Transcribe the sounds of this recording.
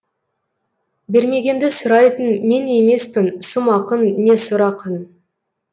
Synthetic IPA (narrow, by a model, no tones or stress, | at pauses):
be̞ɾme̞ɡʲe̞nd̪ɪsʊɾɑjt̪ənme̞ne̞me̞spɪnsʊmɑqənːe̞sʊɾɑqən